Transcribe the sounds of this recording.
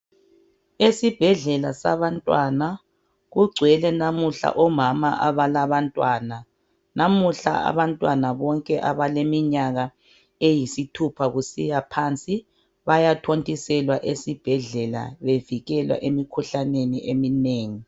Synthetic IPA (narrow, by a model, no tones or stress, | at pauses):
esib̥ʱɛɮɛlasa̰βantʼwana | ɣuɡ͡ǀʱwɛlɛnamuɬa̰ʔɔmama̰ʔaβalaβantʼwana | namuɬa̰a̰βantʼwanaβɔŋkʼɛʔaβalemiɲaɣa | ejisitʰupʰaɣusijapʰant͡sʼi | βajatʰontʼisɛlwaʔesib̥ʱɛɮɛla̰βeviɣɛlwa̰ʔemikʰuɬaneniʔemineːŋi